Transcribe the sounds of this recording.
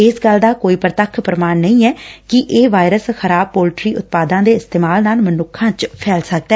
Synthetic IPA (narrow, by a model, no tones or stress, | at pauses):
ɪsɡəld̪aːkoːiːpɾət̪əkʰpɾəmaːnnəĩːɛːkɪʔeːʋaːɪɾəsxəɾaːb̚poːlʈɾiːʊt̪̚paːd̪ãːd̪eːɪst̪eːmaːlnaːlmənʊkʰːãːt͡ʃpʰɛːlsək̚d̪ɛː